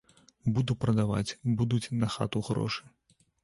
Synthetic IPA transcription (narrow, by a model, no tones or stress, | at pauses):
bud̪upɾɐd̪ava̰t͡sʲbud̪ut͡sʲnɐxa̰t̪uɣɾɔ̰ʂɨ̥